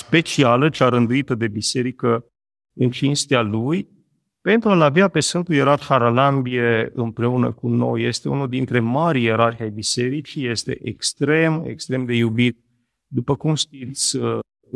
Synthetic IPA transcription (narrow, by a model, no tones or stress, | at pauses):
spe̞t͡ʃialət͡ʃaɾənd̪uit̪əd̪e̞bise̞ɾikə | ɨnt͡ʃinst̪ealuj | pe̞nt̪ɾualaviape̞sfɨnt̪ujeɾarxaɾalambieɨ̰mpɾe̞unə̰kuno̞̰jːe̞st̪e̞ṵnuld̪int̪ɾe̞maɾieɾarxʲajbise̞ɾit͡ʃije̞st̪e̞̰ʔekst̪ɾe̞mḛkst̪ɾe̞md̪e̞jubit̪̚ | d̪upəkumʃt̪it̪sʲə